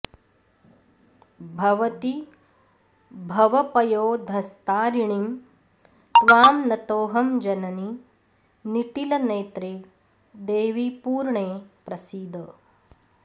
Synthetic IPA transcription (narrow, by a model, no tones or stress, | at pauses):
bʱɐʋɐt̪i | bʱɐʋɐpɐjoːd̪ʱɐst̪aːɾiɳim | t̪ʋaːmnɐt̪oːɦɐmd͡ʒɐnɐni | niʈilɐneːt̪ɾeː | d̪eːʋipuːɾɳeːpɾɐsiːd̪ʱɐ